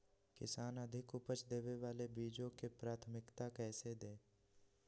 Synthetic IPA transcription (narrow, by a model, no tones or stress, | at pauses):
kɪ̰saːnəd̪ʱɪkʊpət͡ʃd̪eːʋeʋaːlebiːd͡ʒõkepɾaːt̪ʰmɪkt̪akɛːsed̪ẽː